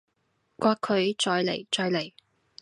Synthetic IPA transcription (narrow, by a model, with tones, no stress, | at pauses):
kʷaː˧kʰːɵ˨˧ɥt͡ʃɔː˨˧jlḛ˨˩jt͡ʃɔː˧jle˨˩j